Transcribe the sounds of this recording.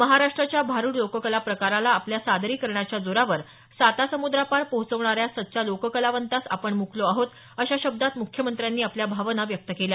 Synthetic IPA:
məɦaɾaʂʈɾat͡ɕjabʱaɾuːɽlokəkəlapɾəkaɾalaːpljasad̪ɾiːkəɾɳjat͡ɕjad͡zoɾaʋəɾ | sat̪asəmud̪ɾapaɽpəɦut͡səʋɳaɾjasət̪ːt͡ɕalokəkəlaʋənt̪asa̰pəɳmukloaɦot̪ | əɕaɕəb̚d̪at̪mukʰjəmənt̪ɾjanːiːapljabʱaʋənaʋjək̚t̪əkelja

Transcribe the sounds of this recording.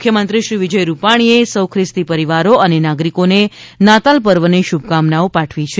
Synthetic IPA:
mkʰjəmənt̪ɾiʃɾiʋid͡ʒəjɾupaɽ̃iesəwkʰɾɪst̪ipəɾiʋaɾoʔənenaɡɾikonenat̪alpəɾʋəneʃub̚ʱkamnaopaʈʰʋit͡ʃʰe

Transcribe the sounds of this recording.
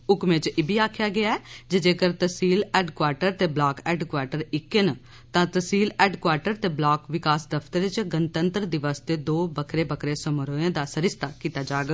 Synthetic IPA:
ʊkmẽt͡ʃɪbʱiːaːkʰjaːɡɪaːɛːd͡ʒed͡ʒeːkəɾt̪əsiːlɛːɖkwaːɾʈəɾt̪eːblaːkɛːɖkwaːɾʈəɾɪkːen | t̪ãːt̪əsiːlɛːɖkwaːɾʈəɾt̪eːblaːkʋɪkaːsd̪əpʰt̪əɾt͡ʃɡənt̪ənt̪əɾd̪ɪʋəsd̪eːd̪oːbəkʰɾeːbəkʰɾeːsəmɾoːẽːd̪aːsəɾɪst̪aːkiːt̪aːd͡ʒaːɡ

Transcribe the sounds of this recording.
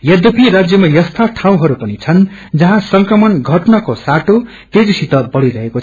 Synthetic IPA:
jʌd̪ʌpʰiɾad͡zjʌmajʌst̪ʰaʈʰãw̃ɦʌɾupʌnit͡sʰʌn | d͡zʌɦãsʌŋkrʌmʌnɡʱʌʈnakosaʈo | t̪ed͡zisit̪ʌbʌɽiɾʌɦeko

